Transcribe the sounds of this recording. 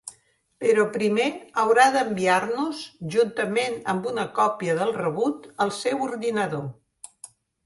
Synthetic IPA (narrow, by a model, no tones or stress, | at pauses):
pəɾɔpɾimeəwɾaðəmbiaɾnuzʒunt̪əmenəmbunəkɔpiəðəlˠrəβut̪əlˠsɛwuɾðinəðo